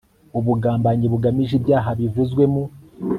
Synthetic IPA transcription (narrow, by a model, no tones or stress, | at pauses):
uβuɡaːmbaɲiβuɡamiʒibjaːɦaβivuzɡwe̞mu